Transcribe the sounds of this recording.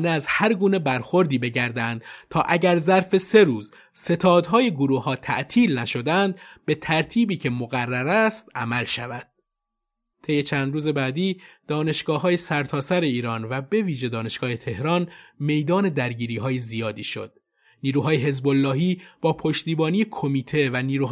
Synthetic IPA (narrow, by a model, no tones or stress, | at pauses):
neæzhæɾɡuːne̞bæɾxo̞ɾd̪iːbe̞ɟæɾd̪ænd̪̥t̪ʰɒːʔæɟæɾzæɾfe̞se̞ɾuːz | se̞t̪ʰɒːd̪ɦɒːje̞ɡoɾuːhɒːt̪ʰæ̰ʔt̪ʰiːlnæʃo̞d̪ænd̪be̞t̪ʰæɾt̪ʰiːbiːkcʰe̞moɣærːæɾæst̪ʔæmælʃævæd̪̥̚ | t̪ʰe̞jːet͡ʃʰæːnd̪ɾuːze̞bæːd̪iːd̪̥ɒːne̞ʃɡ̥ɒːɦɒːje̞sæɾt̪ʰɒːsæɾe̞iːɾɒːnvæbe̞viːʒe̞d̪ɒːne̞ʃɡ̥ɒːhet̪ʰe̞hɾɒːnme̞jd̪ɒːne̞d̪æɾɟiːɾiːɦɒːjezijɒːd̪iːʃo̞̰d̪̥̚ | niːɾuːɦɒːjeɦe̞zbolːɒːɦiːb̥ɒːpʰo̞ʃt̪iːbɒːnijekʰomiːt̪ʰe̞væniːɾuːɦ